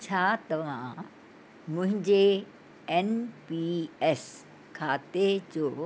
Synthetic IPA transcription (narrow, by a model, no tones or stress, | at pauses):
t͡ɕʰaːt̪ɐʋ̤ã | mʊ̃ɦɪ̃ɲd͡ʑe | ɛnpiɛs | kʰaːt̪ed͡ʑoː